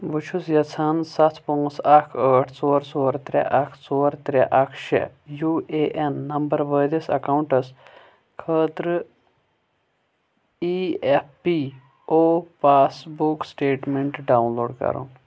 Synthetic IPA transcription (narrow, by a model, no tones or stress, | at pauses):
ʋut͡ʃʰusjɐt͡sʰaːnsɐt̪ʰpõŋsɐkʰəːʈʰt͡soːɾt͡soːɾt̪ɾʲḛʔɐkʰt͡soːɾt̪ɾeʔɐkʰʃḛjuːeːʔenːɐmbɐɾʋəːd̪isɐ̰kawɳʈɐs | kʰəːt̪ɾɨ | ieppi | oːpaːsbuksʈeːʈmeɳʈɖaːwnloːɖkɐ̰ɾṵn